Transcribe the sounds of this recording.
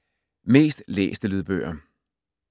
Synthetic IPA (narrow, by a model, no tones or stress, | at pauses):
me̝̰ːsd̥lḛːsd̥əliðˠb̥ø̰ːɐ